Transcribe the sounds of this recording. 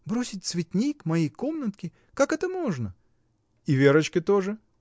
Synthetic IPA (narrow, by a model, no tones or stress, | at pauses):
bɾosʲɪt̚ʲt̪svʲɪt̪ʲnʲikmɐjejkomnət̪kʲɪ | kakɛt̪əmoʐnə | ivʲeɾət͡ɕkʲɪt̪oʐɨ